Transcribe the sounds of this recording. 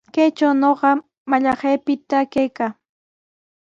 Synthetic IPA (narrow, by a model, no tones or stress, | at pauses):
kajt͡ʃawnoɢɑ | maʎɑɢejpɪt̪akajkaː